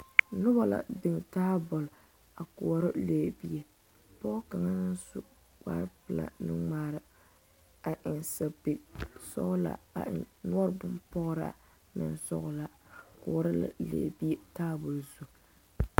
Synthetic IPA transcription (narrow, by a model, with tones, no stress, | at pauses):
nʊ˦ba˨la̰˨dɪ˨ŋ˨taː˦bʊ˨l | a˨kʊ˨ɔ˨ɾɪ˦leː˨bi˦e˦ | pɔ˦ka˨ŋa˦nɨ˦nsʊ̰˦ | ka̰˦ɾpɨ˨la̰˨nɨ˦ŋ͡maː˦ɾɪ˨ | a˨ʔɪ˨nsa˨pi˨sɔ̰˦ʔla̰˨a̰˨ɪ̰˨nnʊ˦ɔ˦ɾbʊ˦mpɔ˦ɣɾa̰˨ | mɪ̰˨nsɔ̰˦ɣla˨kʊ˨ɔ˨ɾɪ˦la̰˨lḛː˨bi˦e˦taː˦bʊ˨lzu˦